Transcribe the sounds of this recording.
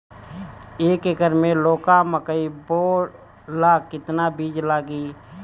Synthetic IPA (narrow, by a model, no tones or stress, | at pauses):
eːkekəɾmẽloːkaməkəiboː | laːkːɪt̪nabiːd͡ʒlaːɡiː